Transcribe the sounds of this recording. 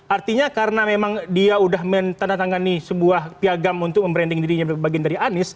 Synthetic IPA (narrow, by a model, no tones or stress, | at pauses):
ʔart̪iɲakaɾənamemaŋdiaudahmənt̪andat̪aŋanisəbuahpiaɡamunt̪ʊk̚məmbəɾɛndɪŋdiɾiɲabaɡiandaɾianɪs